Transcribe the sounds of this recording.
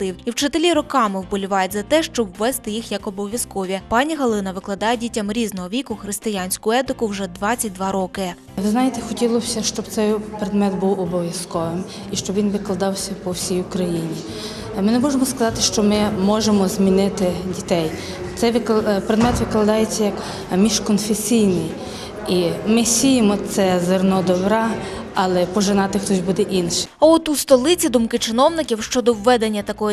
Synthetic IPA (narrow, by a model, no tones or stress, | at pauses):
t̪ɪwiwt͡ʃɪt̪elʲiɾɔkɑmɪwbɔlʲʊʋɑjetʲzɐt̪ɛʃt͡ʃɔbwːɛst̪ɪjixjɐkɔbɔʋʲjɐskɔʋʲipɑnʲiɦɐlˠɪnɐʋɪklˠɐd̪ɑjɛdʲitʲːɐmɾʲiznɔɦɔʋʲikʊxɾɪst̪ɪjanʲsʲkʊɛt̪ɪkʊwʒɛd̪ʋɑt͡sʲt͡sʲɐt̚ʲd̪ʋɑɾɔkɪ | ʋɪznɑjet̪ɛxɔtʲilˠɔsʲɐʃt͡ʃɔbt̪sɛjpɾed̪mɛt̪buwɔbɔʋʲjɐskɔʋɪm | iʃt͡ʃɔbʋʲinʋɪklˠɐd̪ɑwsʲɐpɔwsʲijʊkɾɐjinʲi | mɪnemɔʒemɔskɐzɑt̪ɪʃt͡ʃɔmɪmɔʒemɔzʲmʲinɪt̪ɪdʲit̪ɛj | t̪sɛjʋɪpɾed̪mɛt̪ʋɪklˠɐd̪ɑjet͡sʲːɐjɐk | mʲiʃkɔnfesʲijnɪj | imɪsʲijɪmɔt̪sɛzernɔd̪ɔbɾɑ | ɐlˠɛpɔʒenɑt̪ɪxt̪ɔsʲbud̪ɛʔinʃɪ̥ɐɔt̪ust̪ɔlˠɪt͡sʲid̪umkɪt͡ʃɪnɔwnɪkʲiwʃt͡ʃɔd̪ɔwːɛd̪enʲːɐt̪ɐkɔɦɔ